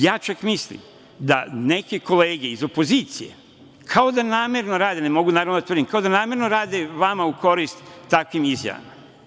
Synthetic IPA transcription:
jaːt͡ʃakmislḭm | d̪a̰ne̞kiko̞le̞ːɡe̞izo̞po̞ziːt̪sije̞̰ | kʰao̞d̪anaːme̞ɾno̞ɾaːd̪enemo̞ɡunaːɾaʋnod̪at̪rɾd̪imkao̞d̪anaːme̞ɾno̞ɾaːd̪e̞ʋamaukʰo̞ɾist̪ːakʋimizja̰ʋa̰ma̰

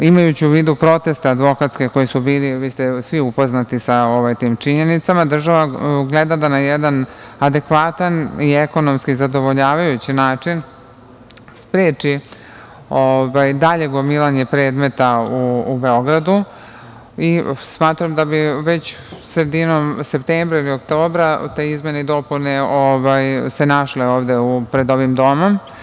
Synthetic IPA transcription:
imajut͡ɕiuʋiːd̪upɾo̞t̪e̞st̪ead̪ʋo̞kat̪ske̞ko̞jisubiːliʋist̪esʋiupo̞znat̪isaoʋajt̪iːmt͡ʃiɲe̞nit̪samad̪r̩ʒaʋaɡled̪ad̪anajɛd̪anad̪e̞kʋat̪anieko̞nomskizad̪o̞ʋo̞ʎaːʋajut͡ɕinaːt͡ʂin | spɾeːt͡ʃi | oʋajd̪aʎe̞ɡomilˠaɲe̞pɾe̞ːd̪me̞t̪auːbe̞o̞ɡɾad̪u | ismaːt̪ɾamd̪abiʋe̞t͡ɕ | sɾed̪inomse̞pt̪eːmbɾailiokt̪oːbɾat̪eizme̞ned̪o̞puneoʋajse̞naʃleoːʋd̪e̞upɾed̪o̞ʋimd̪o̞mo̞m

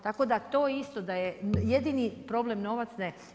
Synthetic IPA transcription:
t̪ako̞d̪at̪o̞ːjist̪o̞d̪ajejed̪inipɾo̞blemno̞ʋat̪sne

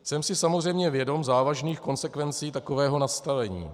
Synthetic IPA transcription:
sɛmsɪsamozr̝ɛjmɲɛvjɛdo̞mzaːvaʒniːxko̞nsɛkvɛnt͡siːt̪ako̞vɛːɦo̞nast̪avɛɲḭː

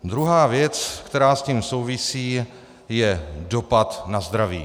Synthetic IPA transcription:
d̪ɾuɦaːvjɛt͡skt̪ɛɾaːsciːmso̞wvɪsiː | jɛdo̞pat̪nazd̪ɾavḭː

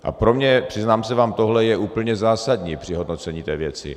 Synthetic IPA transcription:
ʔa̰pɾo̞mɲɛpr̥ɪznaːmsɛvaːmt̪o̞ɦlɛjɛʔuːpl̩ɲɛzaːsad̪ɲiːpr̥ɪɦo̞d̪no̞t͡sɛɲiːt̪ɛːvjɛt͡sɪ̰

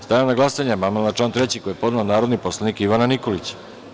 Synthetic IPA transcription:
st̪ajamnaɡlˠasaɲamamalnat͡ʃlaːnt̪ɾe̞t͡ɕikojepo̞d̪naonaːɾo̞d̪niposlˠaniːkiʋananiko̞lit͡ɕḁ

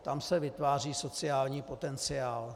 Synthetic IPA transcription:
t̪amsɛvɪt̪vaːriːso̞t͡sɪaːlɲiːpo̞t̪ɛnt͡sɪaːl

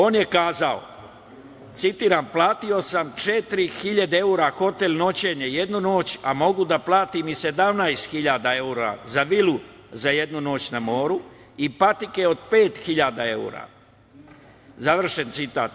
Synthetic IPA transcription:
o̞ːnje̞kaːzao̞̰ | t̪sit̪iːɾamplˠaːt̪io̞samt͡ʃet̪ɾixiʎad̪eeuːɾaxo̞t̪elʲno̞t͡ɕe̞ɲeje̞d̪nuno̞ːt͡ɕa̰mo̞ɡud̪aplˠaːt̪imise̞d̪amnajst̪xiʎaːd̪ae̞uɾa̰zaʋilu | zaje̞d̪nuno̞ːt͡ɕnamo̞ːɾu | ipat̪ikeo̞d̪pe̞ːt̪xiʎad̪ae̞ṵːɾa̰ | zaʋr̩ʃe̞nt̪sit̪a̰ːt̪

